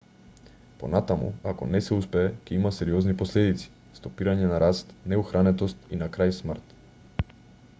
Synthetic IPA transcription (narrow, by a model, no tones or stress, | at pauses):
po̰nat̪amṵakɔ̰nɛsɛuspɛːcɛimasɛɾiɔznipɔslɛd̪it̪si̥ | st̪opiɾaɲɛnaɾast̪nɛuxɾanɛt̪ɔst̪inakɾajsmrt̪